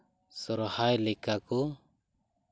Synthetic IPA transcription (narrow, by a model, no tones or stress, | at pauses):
sɔɾhajlɛkakɔ